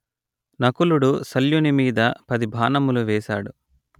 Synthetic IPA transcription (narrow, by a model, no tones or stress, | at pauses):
nɐkuluɽusɐljunimiːd̪ɐpɐd̪ibʱaːnɐmuluʋɛːʃa̰ːɽu